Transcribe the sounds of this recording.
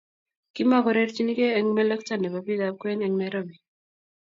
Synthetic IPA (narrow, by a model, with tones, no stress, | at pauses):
ki˦ma˦kɔ˨ɾe˦ɾt͡ʃi˦ni˦keː˦ŋmɛ˦lə˦kta˦˨ne˨ba˨bi˦d̪a˦p̚kwɛ˦nɛ˨ŋmɛɾo˦bi˨